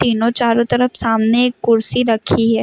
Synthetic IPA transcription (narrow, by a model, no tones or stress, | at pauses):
t̪iːnõt͡ʃaːɾõt̪ɐɾəfsaːmneeːkːʊɾsiɾɐkʰiɦɛː